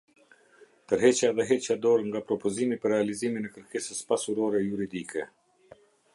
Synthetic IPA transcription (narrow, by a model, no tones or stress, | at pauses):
t̪əɾɦɛt͡ʃaðɛɦɛt͡ɕad̪ɔɾŋɡapɾɔpɔzimipəɾɛaliziminɛkəɾkesəspasuɾɔɾɛjuɾid̪ikʰɛ